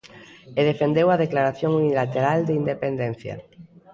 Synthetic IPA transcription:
eð̞efend̪ewaðeklaɾaθjoŋunilat̪eɾald̪eind̪epend̪enθja̰

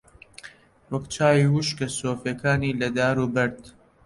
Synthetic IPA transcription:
wɐkt͡ʃʰaːwiwuʃkɐsoːfekʰaːniːlɐd̪aːɾuːbɐɾd̪

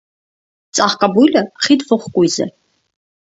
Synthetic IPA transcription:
t͡sʼaχkʼabujləχid̪vɔχkʼujzɛ̰

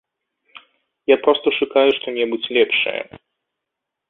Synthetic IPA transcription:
japɾɔst̪ɔʂukawɛʂt̪ɔɲʲɛmusʲlʲɛpʂɛ̰

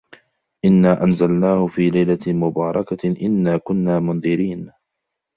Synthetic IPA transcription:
ʔɪnːaːʔanzalnaːhʊfiːlajlamʊbɑːɾˤɑkaʔɪnːaːkʊnːaːmʊnðˤɪɾiːn

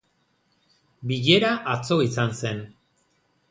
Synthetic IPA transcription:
biʎe̞ɾaʔat͡so̞isanse̞n

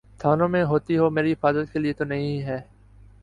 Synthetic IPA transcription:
t̪ʰaːnõːmẽɦoːt̪iɦoːmeːɾiɦɪfaːzət̪keliet̪onɐɦĩɦɛː

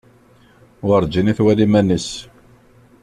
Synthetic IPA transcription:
aɾˤd͡ʒiniθwælimænəs

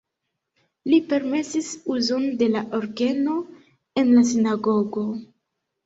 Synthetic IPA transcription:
lipe̞ɾme̞sisuzo̞nde̞laʔoɾɡe̞no̞ | e̞nlas̬inaɡo̞ɡo̞

